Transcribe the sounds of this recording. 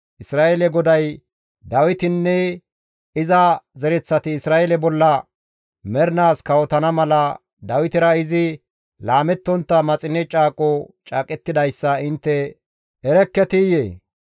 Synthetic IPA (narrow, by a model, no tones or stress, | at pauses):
ʔɪsɾaːʔɛlɛɡɔd̪ɐj | d̪ɐwɪt̪ɪnːɛ | ɪzɐzɛɾɛt͡sːɐt̪ɪːsɾaːjɛlɛbɔlːɐ | mɛɾɪnaːskɐwɔt̪ɐnɐmɐlɐ | d̪ɐwɪt̪ɪɾɐɪzɪ | laːmɛt̪ːɔnt̪ːɐmɐt͡sʼɪnɛt͡ʃʼaːkʼɔt͡ʃʼaːkʼɛt̪ːɪd̪ɐjsːɐɪnt̪ːɛ | ɛɾɛkːɛt̪ɪjeː